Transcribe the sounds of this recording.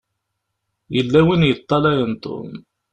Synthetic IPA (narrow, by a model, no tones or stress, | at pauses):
jəlːæwinjət̪ˤːɑlæjənt̪ˤo̰n